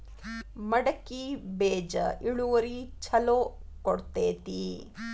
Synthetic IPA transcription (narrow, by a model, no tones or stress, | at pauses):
mɐɽɐkːibeːd͡ʒɐ̰ʔiɭuʋɐɾit͡ʃʰɐloːkɔɽt̪eːt̪i